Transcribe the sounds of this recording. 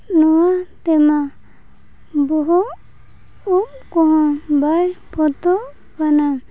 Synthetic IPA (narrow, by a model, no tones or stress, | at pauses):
nɔwat̪ɛma | bɔɦu | up̚kɔɦɔ̃bajpʰɔt̪ɔ | kanam